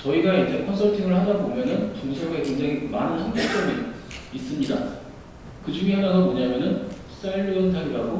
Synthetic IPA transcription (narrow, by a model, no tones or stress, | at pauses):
t͡ɕʌiɡaid͡ʑe̞kʰʌnsʰʌɭtʰiŋɯɭhadabomjʌnɯnt͡ɕuŋsʰeɡe̞keŋd͡ʑaŋimanɯnsʰʌŋɡok̚t͡ɕ͈ʌɡi | is͈ɯmɲida | kɯd͡ʑuŋiɦanaɡomoɲamjʌnɯn | s͈aɭːɯɯntʰaɡiɾaɡo